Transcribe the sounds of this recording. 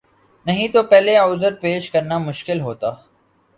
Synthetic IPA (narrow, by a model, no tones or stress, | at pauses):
nɐɦĩt̪opɛːleɔːzəɾpeːʃkɐɾnamʊʃkɪlɦoːt̪aː